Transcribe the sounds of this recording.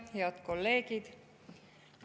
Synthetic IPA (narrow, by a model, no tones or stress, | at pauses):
heɑt̪kolːeːkid̪